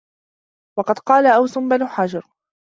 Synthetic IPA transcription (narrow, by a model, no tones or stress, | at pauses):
wɑqɑd̪qɑːlaʔawsʊmbanuːħad͡ʒɑɾˤ